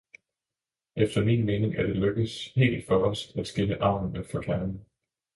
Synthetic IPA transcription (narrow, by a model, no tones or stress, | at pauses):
ʔefd̥ɐmiːnme̝ːne̝ŋʔæɐd̥e̝løɡ̥əð̩ˠshe̝̰ːld̥fɒ̽ɒsd̥æd̥sɡ̥e̝nəʔɑ̈ʊ̰nn̩əfɒkʰænn̩